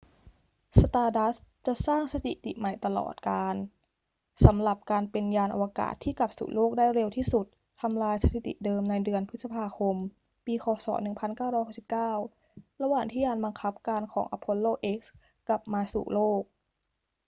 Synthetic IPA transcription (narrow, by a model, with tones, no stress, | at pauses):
sa˧t̪aː˧da˦˥t͡ɕa˨˩ʔsaː˥˩ŋsa˧t̪ḭ˨˩t̪ḭ˨˩ma˨˩jt̪a˧lɔ̰ː˨˩t̪̚kaː˧n | sa˩˦mɾa˨˩p̚kaː˧npe˧njaː˧nʔa̰˧wa˧ka̰ː˨˩t̪ʰːiː˥˩kla˨˩p̚sṵ˨˩loː˥˩k̚daː˥˩jɾe˧wt̪ʰiː˥˩su˨˩t̪ʰːa˧mlaː˧jsa˧t̪ʰi˨˩t̪ḭ˨˩dɤː˧mna˧jdɯ˧ənpʰɯ˦˥sa˧pʰaː˧kʰo˧m | piː˧xɔː˨˩˦sɔ̰ː˩˦nɯ˨˩ŋpʰa˧nkaː˥˩wɾɔː˥˩hɦa˥˩si˨˩p̚kaː˥˩w | ɾa˧waː˨˩ŋt̪ʰiː˥˩jaː˧nba˧ŋkʰa˦˥p̚kaː˧nkʰɔː˩˦ŋʔa˧pʰo˦˥n̚loː˥˩k̚ʔe˦˥k̚s | ka˨˩p̚maː˧sṵː˨˩loː˥˩k̚